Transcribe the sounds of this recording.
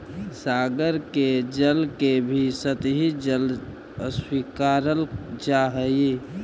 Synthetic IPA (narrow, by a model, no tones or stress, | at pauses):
saːɡəɾked͡ʒəlkebʱisət̪ɦid͡ʒəl | əswikaɾəld͡ʒaɦəje